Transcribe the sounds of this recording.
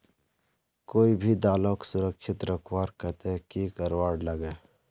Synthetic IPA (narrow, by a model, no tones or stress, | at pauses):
koːibʱid̪aːlõksʊɾəkʃɪt̪ɾəkʰwaːɾkət̪ekikəɾwaːɽləɡeː